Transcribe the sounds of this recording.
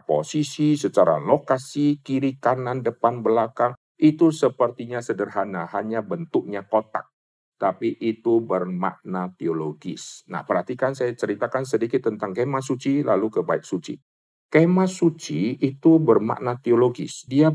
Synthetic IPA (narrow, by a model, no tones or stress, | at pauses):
po̰sisisət͡ʃaɾa̰lokasikiɾikanandəpanbəlakaŋ | ʔit̪usəpərt̪iɲasədərɦanahaɲabənt̪ʊk̚ɲakot̪a̰k̚ | t̪apiʔit̪ubərma̰ʔnat̪ioloɡɪ̰sna̰hpərhat̪ikansajat͡ʃəɾit̪akans̬ədikɪt̪ːənt̪aŋkemas̬ut͡ʃilalukəbaɪk̚sut͡ʃḭ | kemasut͡ʃiːt̪ubərma̰ʔnat̪ioloɡɪ̰sdia